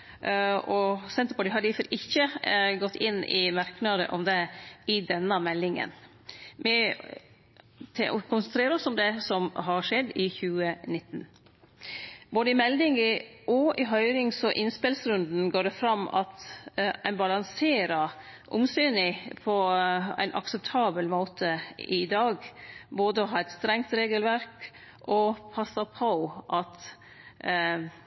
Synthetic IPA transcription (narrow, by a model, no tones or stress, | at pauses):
ɔsɛnt̪əɾbɔɖɪɦɑɾɪfɔɾʔɪçːəɡɔt̪ːɪnɪmɑɾknɑd̪ə̰ʔɔmd̪ɛɪd̪ɛnːəmɛlːɪŋə̰n | mɪ | t̪ʰkʰʊnsənt̪ɾeːɾəɾɔsɔmd̪ɛsɔmɦɑɾʂɛd̪ɪçʉːənɪt̪ːn | boːd̪əɪmɛld̪ɪŋəʔɔʔɪɦœʏɾɪŋsɔʔɪnspɪlsɾʉnd̪n̩ɡoːɖɛfɾɑmɑ̰t̪æɪnbɑlɑŋseːɾɑ | ʔʊ̰msyːnɪpʰɔæ̰ɪnʔɑ̰ksɛp̚t̪ʰɑːbəlmoːt̪ʰəɪd̪ɑːɡboːd̪əɔɦɑːɾɛt̪st̪ɾɛŋt̪ɾeːɡəlʋæɾk | ʔɔpʰɑsɑpʰɑʊʔɑt̪